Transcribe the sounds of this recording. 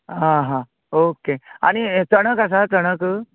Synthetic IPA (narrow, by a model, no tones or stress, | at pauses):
ɦãɦã | okea̰ɽ̃it͡səɽ̃əkas̬at͡səɽ̃ək